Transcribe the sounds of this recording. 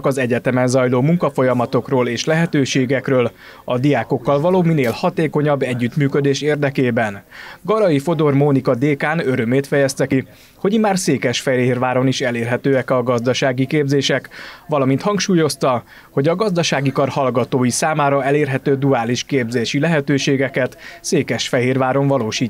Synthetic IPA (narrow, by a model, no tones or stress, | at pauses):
kɒzɛɟɛt̪ɛmɛnzɒjloːmuŋkɒfo̞jɒmɒt̪o̞kroːleːʃlɛɦɛt̪øːʃeːɡɛkrøːl | ɒd̪ijaːko̞kːɒlvɒloːmineːlhɒt̪eːko̞ɲɒbːɛɟːyt̪myːkød̪eːʃeːrd̪ɛkeːbɛnɡɒɾɒjifo̞d̪o̞rmonikɒd̪eːkaːnø̞ɾø̞meːt̪fɛjɛst̪ɛki | ho̞ɟimːaːrseːkɛʃfɛeːrvaːɾo̞niʃɛleːrɦɛt̪øːɛkɒɡɒzd̪ɒʃaːɡikeːbzeːʃɛkʋɒlɒmint̪hɒŋkʃuːjo̞st̪ɒ | ho̞ɟɒɡɒzd̪ɒʃaːɡikɒrhɒlɡɒt̪oːjisaːmaːɾɒɛleːrɦɛt̪øːd̪uaːliʃkeːbzeːʃilɛɦɛt̪øːʃeːɡɛkɛt̪seːkɛʃfɛɦeːrvaːɾo̞ɱvɒloːʃiː